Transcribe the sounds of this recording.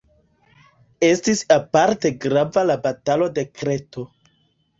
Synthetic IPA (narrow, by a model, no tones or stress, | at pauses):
e̞stisapaɾte̞ɡɾavalabatalo̞de̞kɾe̞to̞